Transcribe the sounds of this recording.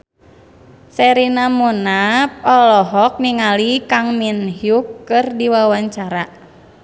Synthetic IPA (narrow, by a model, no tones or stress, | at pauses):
sɛɾinamunapɔlɔɦɔk̚niŋalikaŋminhjukːɨrdiwawaɲt͡ʃaɾa